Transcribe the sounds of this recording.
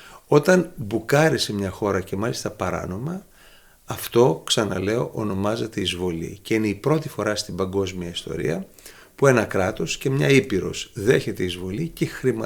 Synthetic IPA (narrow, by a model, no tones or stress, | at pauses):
o̞t̪ɐnbukɐɾise̞mɲɐxo̞ɾɐce̞mɐlist̪ɐpɐɾɐ̰no̞mɐ | ɐft̪o̞ksɐnɐ̰le̞o̞ʔono̞mɐzet̪e̞izvo̞lḭce̞ineipɾo̞t̪ifo̞ɾɐst̪ibɐŋɡo̞zmiɐist̪o̞̰ɾḭɐ | pue̞nɐkɾɐt̪o̞sce̞mɲɐipiɾo̞̰sðe̞çe̞t̪e̞izvo̞licexɾim